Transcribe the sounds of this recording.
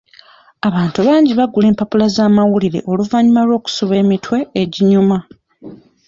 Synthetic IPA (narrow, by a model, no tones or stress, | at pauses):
aβaːntuβaːɲɟiβaɡule̞ːmpapulazaːmawuliɾe̞̰ʔo̞luvaɲimalwo̞ːku̥suβe̞ːmitwe̞ːɟiɲuma